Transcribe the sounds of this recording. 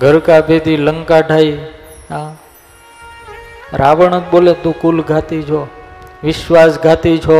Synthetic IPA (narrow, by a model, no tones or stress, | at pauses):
ɡʱəɾkaped̪iləŋkaɖʱaiɦã | ɾaʋəɳək̚bolet̪ũkulɡʱat̪it͡ʃʰoʋɪʃʋasɡʱat̪it͡ʃʰo